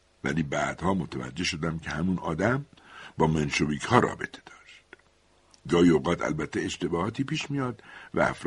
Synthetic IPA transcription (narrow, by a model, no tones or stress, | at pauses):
væ̰liːbæːd̪̥hɒːmo̞t̪ʰævæ̰d͡ʒːe̞ʃo̞d̪æmcʰe̞hæmunɒ̰ːd̪æmbɒːmenʃobiːcʰhɒːɾɒ̰ːbe̞t̪ʰe̥d̪ɒːʃt̪ | ɡɒːhioɣɒːt̪ʰæ̰lbæt̪ʰːeeʃt̪e̞bɒːhɒːt̪ʰiːpiːʃmijɒːd̪væ̰æ̰fɾ